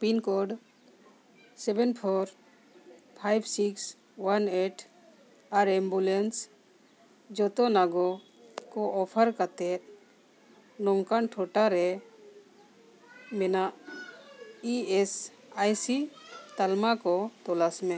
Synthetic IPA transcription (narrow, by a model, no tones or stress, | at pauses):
pinkɔɖ | sɛbɛnpʰɔɾ | pʰajbsiks | waneʈʰ | aɾɛmbulens | d͡ʒɔt̪ɔnaɡɔ | kɔɔpʰəɾkat̪ɛt̪̚ | nɔŋkaɳʈʰɔʈaɾɛ | mɛnaʔ | iɛs | ajsit̪almakɔt̪ɔlasmɛ̃